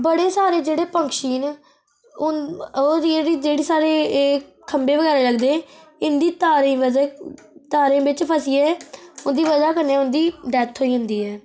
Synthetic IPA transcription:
bəɽeːsaːɾeːd͡ʒeːɽeːpə̃ŋkʃiːn | oːɾiɽiːd͡ʒeːɽeːsaːɾeː | kʰəmbeːʋəɡɛːɾeːləɡd̪eː | ɪnd̪iːt̪aːɾĩːʋə | t̪aːɾẽːbɪt͡ʃpʰəsiːɛːʊnd̪iːʋəd͡ʒaːkəɾneʊnd̪iːɖɛːt̪ʰɦoːiːɦʊ̃nd̪iːɛː

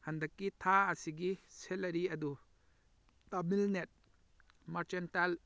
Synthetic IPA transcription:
hɐnd̪ɐkːit̪ʰaasiɡiselɐɾiɐd̪u | t̪ɐbilnet̪̚ | mɐɾt͡ʃental

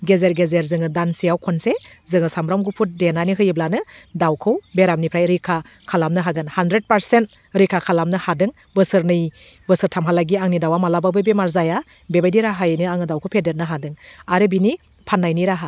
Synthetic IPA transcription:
ɡezeɾɡezeɾzɯŋɯdansijawkʰɔnsezɯŋɯsamɾamɡupʰut̚denaniɦɯjɯblanɯdawkʰɯwbeɾamnipʰɾajɾikʰa | kʰalamnɯɦaɡɯnhandɾed̚paɾsent̚ | ɾikʰakʰalamnɯhadɯŋ | bɯsɯɾnɯjbɯsɯɾtʰamɦalaɡiaŋnidawamalababɯbemaɾzaja | bebajdiɾaɦajnɯaŋɯdawkʰɯwpʰedeɾ̚nɯɦadɯŋaɾɯbini | pʰanːajniɾaɦa

